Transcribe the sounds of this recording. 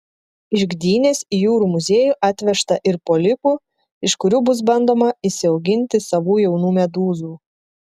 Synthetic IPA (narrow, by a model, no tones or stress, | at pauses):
ɪʒɡd̪ʲiːnʲeːsijuːɾuːmʊzʲeːjuːʔɑːt̪ʲʋʲɛʃt̪ɐʔɪɾpoːlʲɪpuː | ɪʃkʊɾʲuːbʊsbɐnd̪oːmɐɪsʲɪɒʊɡʲɪnʲt̪ʲɪsɐʋuːjɛʊnuːmʲɛd̪uːzuː